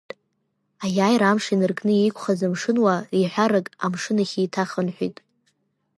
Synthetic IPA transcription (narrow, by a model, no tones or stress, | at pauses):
ajaːjɾamʂinɨrkʰʼnɨiikʷʰʼχazɨmʂɨnwariħʷᶣaɾɨkʼa̰mʂɨnaχʲiːtʰaχənħʷᶣḭtʼ